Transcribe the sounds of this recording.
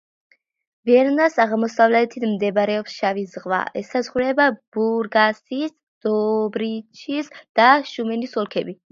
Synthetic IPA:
vɛɾnasaʁmɔsavlɛt̪ʰit̪ʰmd̪ɛbɾɛɔpsʃavizʁva̰ʔɛsazχɾɛbab̥uɾɡasis | d̪̥ɔbɾit͡ʃʰisd̪̥aʃumɛnisɔlˠkʰɛbi

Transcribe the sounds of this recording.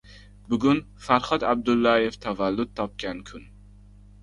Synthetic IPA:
bʊɡʲʊn | faɾχɒt̪ab̚d̪ʊlˠːajeft̪ʰavalːʊd̪̚t̪ʰɒp̚kʲankʲʰʊn

